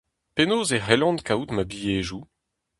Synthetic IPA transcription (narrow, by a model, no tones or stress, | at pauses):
penoːzeʁɛlɑ̃nkʰaut̪mabijeːʒu